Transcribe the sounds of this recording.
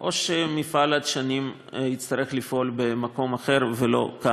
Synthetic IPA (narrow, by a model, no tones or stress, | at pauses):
ʔo̞ʃemifalat̪ʃanim | jit͡st̪aʁeχlifʔo̞lbemako̞maχe̞ʁvelo̞̰ka